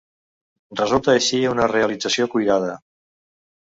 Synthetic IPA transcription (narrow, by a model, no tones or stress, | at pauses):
rrəzulˠt̪əːʃiunəreəlid͡zəsiokujðað̞ə